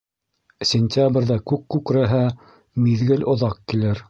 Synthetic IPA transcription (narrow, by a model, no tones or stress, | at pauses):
sʲɪnʲt̪ʲabrʲðækʉkːʉkɾæɦæ | miðɡɘlʔŏðɑqkːilɘɾ